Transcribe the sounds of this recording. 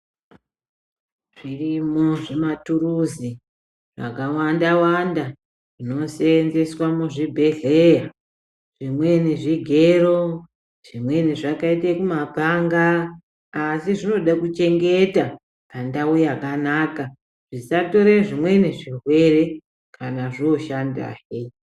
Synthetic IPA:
ʐ̥irimoʐematuɾuzi | ʐ̥a̰kawandawanda | ʐ̥ino̞senze̞swamuʐibʱe̞ɮe̞ja | ʐ̥imwe̞neʐiɡʱeɾo̞ | ʐ̥imwe̞neʐakaitekumapaŋɡaː | siʐino̞ɗakut͡ʃe̞ŋɡe̞ta | pandaujakanaːka | ʐ̥isato̞ɾeʐimwe̞neʐirwe̞re̞ | kʰanaʐio̞ʃanda̰ːɦe

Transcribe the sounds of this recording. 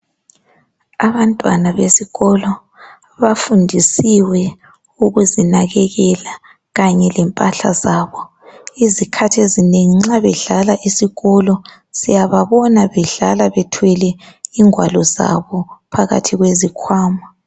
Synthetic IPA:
aβantʼwanaβesiɣɔlɔ | βafundʱisiwɛ | uɣuzinaɣɛɣɛla | ɣaɲɛlɛmpʼaɬa̰zaːβɔ | izikʰatʰiezineŋiŋ͡ǁaβɛɮalaʔisiɣɔlɔ | sijaβaβɔnaβɛɮalaβɛtʰwɛlɛiŋwalɔza̰βɔpʰaɣa̰tʰiɣwezikʰwaːma

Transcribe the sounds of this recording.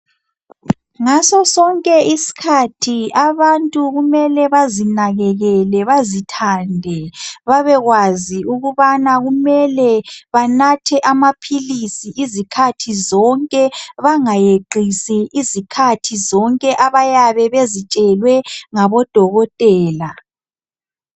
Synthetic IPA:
ŋasɔsɔŋkʼɛisi̥kʰatʰiaβantʼuɣumɛlɛβazinaɣɛɣɛlɛβazitʰandʱɛβaβɛɣwaziuɣuβanaɣumɛlɛβanatʰɛʔamapʰilisiʔizikʰatʰizɔŋkʼɛβaŋajeǃisiʔizikʰatʰizɔŋkʼɛʔaβajaβɛβezit͡ʃʼɛlwɛŋaβɔd̥ʱɔɣɔtʼɛːla

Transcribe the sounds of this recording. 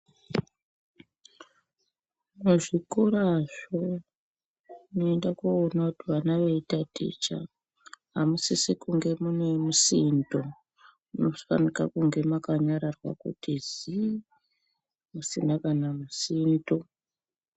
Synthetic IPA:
muʐikoɾaʐo̞ | noendakoːnakutiʋanaʋeitatʰḭt͡ʃa̰ | ɦamusisikuŋɡe̞munemusindo̞ | muno̞fa̰nikakuŋɡe̞makaɲaɾarwa̰kṵtizi | musinakanamusiːndo

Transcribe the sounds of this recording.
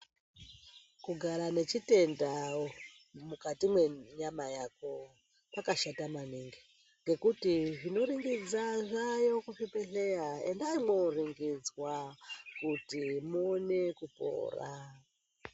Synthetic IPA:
kuɡʱaɾane̞t͡ʃite̞nda | mukatimwe̞ɲamajako̞ | pakaʃatamaniŋɡi | ŋɡe̞kutiʐino̞ɾiŋɡid͡zaʐajo̞kufipeɬe̞jaḛndaimoriŋɡid͡zwakutimuːne̞kupo̞̰ːra̰

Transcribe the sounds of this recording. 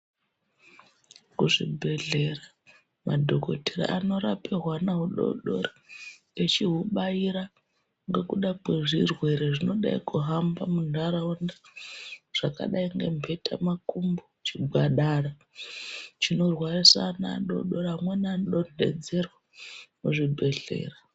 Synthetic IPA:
kuʐḭbʱe̞ɮe̞ra | madʱo̞ko̞teɾa̰ʔano̞ɾaperwanaɦuɗo̰ɗo̞̰ra | et͡ʃiɦuɓaiɾa | ŋɡe̞kuɗakwe̞ʐirwe̞ɾeʐino̞ɗa̰ikuɦambamundaɾaunda | ʐ̥aka̰ɗaiŋɡe̞̰mpʰe̞tʰa̰makumbot͡ʃiɡʱaɗara | t͡ʃino̞rwarisa̰na̰ɗo̞̰ɗoɾaamwenanɗone̞̰d͡ze̞rwa | muʐibʱe̞ɮe̞̰ːra

